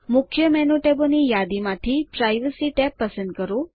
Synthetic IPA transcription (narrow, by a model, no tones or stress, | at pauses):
mukʰjəmɛnoʈebonijad̪imãt̪ʰipɾajʋesiʈɛpːəsə̃nd̪̚kəɾũ